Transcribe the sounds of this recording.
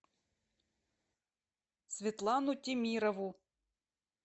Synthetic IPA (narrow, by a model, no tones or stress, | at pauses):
sʲʋʲit̪lˠɑnʊtʲimʲiɾɔʋʊ